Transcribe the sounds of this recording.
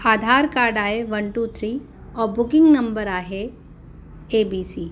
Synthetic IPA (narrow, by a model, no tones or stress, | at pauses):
aːd̪ʱaːɾkaːɾɖaːeʋɐ̃ɳʈuːt̪ʰɾi | ɔːɾbʊkɪ̃ŋɡnɐ̃mbəɾaːɦe | eːbiːsiː